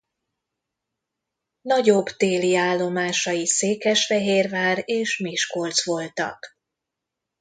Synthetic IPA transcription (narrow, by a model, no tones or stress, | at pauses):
nɒɟobt̪eːliaːlːo̞maːʃɒjiseːkɛʃfɛɦeːrvaːreːʃmiʃko̞lt̪sʋo̞lt̪ɒ̰k